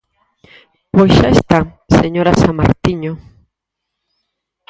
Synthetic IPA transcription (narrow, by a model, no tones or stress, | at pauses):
pozʒaest̪a | seɲoɾasama̰ɾt̪iɲo